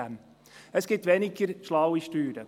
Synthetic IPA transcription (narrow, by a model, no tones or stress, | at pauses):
æm | əsɡ̥ɪt̪ʋɛnɪɡəɾʃlɑwiʃtyːɾə